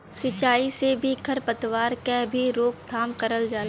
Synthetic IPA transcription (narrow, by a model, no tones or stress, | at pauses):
sɪt͡ʃaːisebʱikʰɐɾpət̪ʋaːɾkebʱiɾoːk̚t̪ʰaːmkəɾəld͡ʒaːl